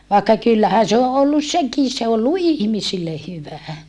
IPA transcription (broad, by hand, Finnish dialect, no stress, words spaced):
ʋɑˑekːɑ kylːæhæ se o olːus seki se o olːu ihmisilːe hyʋæ